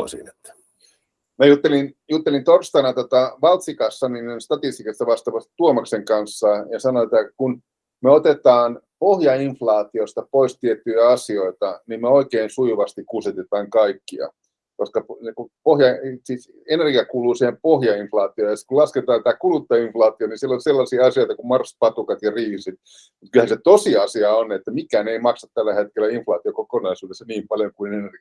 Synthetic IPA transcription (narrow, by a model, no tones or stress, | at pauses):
o̰sḭnet̪ːæ̥ | mæjut̪ːelinjut̪ːelint̪orst̪ɑnɑt̪ot̪ɑʋɑlt̪sikɑsːɑninenst̪ɑt̪ist̪ikɑst̪ɑʋɑst̪ɑʋɑst̪i̥t̪uomɑkseŋkɑnsːɑjɑsɑnoet̪ːækun | meot̪et̪ɑːn | pohjɑiɱflɑːt̪iost̪ɑpoist̪iet̪ːyjæɑsioit̪ɑnimmeoikeːnsujuʋɑst̪ikkuset̪et̪ɑːŋkɑikːiɑ̰ | koskɑpekupohjɑsis | enerɡiɑkuːluːsiːhempohjɑiɱflɑːt̪iojɑsit̪kulɑsket̪ɑːnsit̪ækulut̪ːɑiɱflɑːt̪ionisielːolselːɑsiɑɑsioit̪ɑkummɑrspɑt̪ukɑt̪jɑriːsit̪ | mut̪̚kylhænset̪osiɑsiɑonet̪ːæmikˑæːneimɑksɑt̪t̪ælːæhet̪̚kelːæiɱflɑːt̪iokokonɑisuːdesːɑniːmpɑljoŋkuinenerɡi